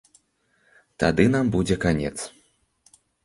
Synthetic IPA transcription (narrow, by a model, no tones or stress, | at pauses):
t̪ad̪ɨnambud͡zʲɛkanʲɛ̰t̪s